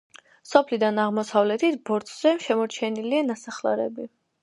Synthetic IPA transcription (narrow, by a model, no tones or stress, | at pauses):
sɔpʰlid̪anaʁmɔsavlɛt̪ʰit̪ʰbɔɾt̪ʰʼz̥ɛʃɛmɔɾt͡ʃʰɛnilianasaχla̰ɾɛ̰bi